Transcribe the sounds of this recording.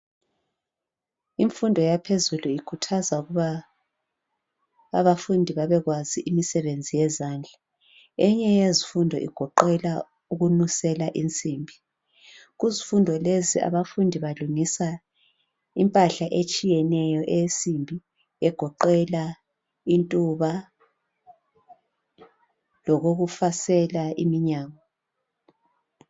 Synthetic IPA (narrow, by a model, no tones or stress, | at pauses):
iɱfundʱɔjapʰezuluikʰutʰazauɣuβa | βafundʱiβaβɛɣwaziʔimisɛβend͡zʱijɛzaːnd͡ɮʱa | ɛɲɛjezifundʱɔ̰ʔḭɡ̥ʱɔǃɛla | uɣunusɛlaʔint͡sʼiːmbʱi | ɣuzifundʱɔlezia̰βafundʱiβaluŋisa | impʼaɬaʔet͡ʃʼijɛnɛjɔʔesʼimbʱi | ɛɡ̥ʱɔǃɛla | intʼuβa | lɔɣoɣufasɛlaʔimiɲaːŋɔ